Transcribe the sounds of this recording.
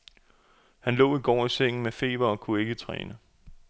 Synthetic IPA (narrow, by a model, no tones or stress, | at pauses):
hænlɔ̰̽ːiɡ̥ɒ̰ːiseŋ̰n̩mefe̝̰ːʋɐɒ̽kʰue̝ɡ̥ət͡sʰʁɛ̰ːnə